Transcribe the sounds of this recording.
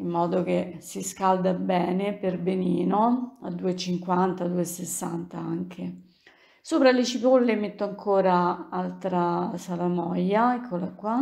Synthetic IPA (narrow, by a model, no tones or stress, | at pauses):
imːɔːd̪ok̟esiskald̪abɛːneperbeniːnoa̰d̪ːuːet͡ʃiŋkwant̪ad̪uːesesːant̪aaŋk̟ʰe | soːpɾalet͡ʃipolːemet̪ːoaŋkʰoːɾaalt̪ɾasalamɔjːaɛkʰːolakwa